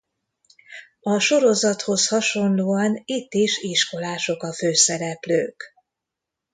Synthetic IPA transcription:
ɒʃo̞ɾo̞zɒt̪ho̞shɒʃo̞nloːɒnit̪ːiʃiʃko̞laːʃo̞kɒføːsɛɾɛplø̰ːk

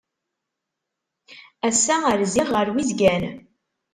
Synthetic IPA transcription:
æsːæəɾziʁəɾwizɡæn

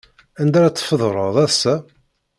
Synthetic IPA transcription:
ænd̪æɾæt͡sːfəðˤɾˤəðˤæðsæ

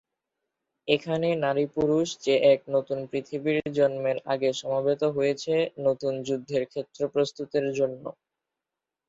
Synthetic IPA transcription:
ekʰanenaɾipuɾuʃd͡ʑeʔɛk̚not̪unpɾit̪ʰibiɾd͡ʑɔnmeɾa̰ɡeʃɔmabet̪oɦojet͡ɕʰenot̪und͡ʑud̪ʱːeɾkʰet̪ːɾopɾost̪ut̪eɾd͡ʑonːo̰

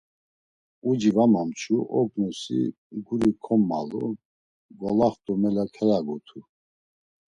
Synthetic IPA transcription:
ud͡ʒivamamt͡ʃʰuʔɔɡnusḭ | ɡuɾikʰɔmːa̰lṵ | ɡɔlaχt̪ʼɔmɛlakʰɛlaɡɔt̪ʰu

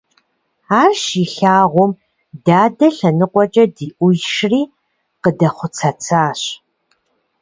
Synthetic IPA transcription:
aːrʃiɬaːʁʷɔm | daːdɐɬɐnɨqʷɔt͡ʃʼɐdiːʔʷʊjʃriː | qədɐχʷʊt͡sʰɐt͡sʰaːɕ

